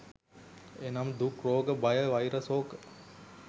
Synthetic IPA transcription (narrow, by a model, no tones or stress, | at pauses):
enamd̪ukroːɡəbɐjəʋajɾəsoːɡə